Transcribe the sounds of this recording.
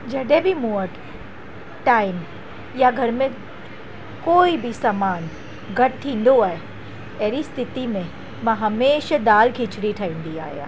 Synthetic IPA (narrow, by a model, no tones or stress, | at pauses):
d͡ʒɐɖebʱimuəʈ | ʈaːɪm | jaɡʱɐɾmẽ | koːibʱisamaːn | ɡʱɐʈ̚t̪ʰĩːnd̪oaːe | ɛɦɾist̪ʰɪt̪imẽ | mãɦɐmeːʃad̪aːlkʰit͡ʃɽiʈʰaĩnd̪ia̰ːja̰ː